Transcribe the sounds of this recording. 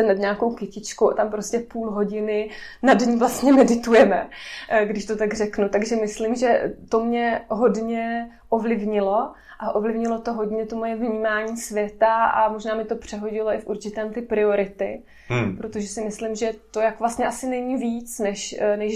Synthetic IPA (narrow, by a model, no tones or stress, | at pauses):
ɛnad̪ɲaːkowkɪcɪt͡ʃkowʔat̪ampɾoscɛpuːlɦo̞ɟɪnɪnadɲivlast̪ɲɛmɛdɪt̪ujɛmɛɡdɪʃt̪ot̪aɡr̝ɛknut̪aɡʒɛmɪslɪmʒɛt̪o̞mɲɛɦo̞dɲɛ | ʔovlɪvɲɪlo̞ | ʔaʔovlɪvɲɪlo̞t̪o̞ɦo̞dɲɛt̪omo̞jɛvɲiːmaːɲiːsvjɛt̪aʔa̰moʒnaːmɪt̪o̞pr̝̥ɛɦo̞ɟɪlo̞ʔɪfuɾt͡ʃɪt̪ɛːmt̪ɪpɾɪo̞ɾɪt̪ɪ̰ | pɾo̞t̪oʒɛsɪmɪslɪmʒɛt̪ojakvlast̪ɲɛʔasɪnɛɲiːviːt͡snɛʃnɛ